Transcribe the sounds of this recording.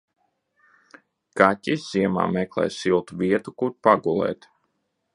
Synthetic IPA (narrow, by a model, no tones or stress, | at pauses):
katʲisz̥iɛma̰ːmɛklˠɛ̰jsilˠt̪uvʲiɛt̪ukuɾpaɡulˠɛ̰ːt̪